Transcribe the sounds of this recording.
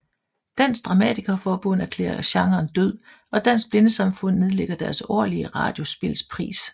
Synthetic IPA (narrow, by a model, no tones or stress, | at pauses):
d̥æn̰sd̥ʁɑ̈mɛ̰d̥ʰiɡ̥ɐfɒːb̥ɔ̽næɐkʰlḛːɐɐɕɑ̈ŋɐːnd̥øð̰ˠ | ɒ̽d̥æn̰sb̥le̝nəsɑ̈mfɔ̽n̰ːe̝ðˠleɡ̥ɐd̥æɐsɒ̰ɐliəʁɑ̰̈ːd̥jo̝sb̥e̝lspʰʁḭːs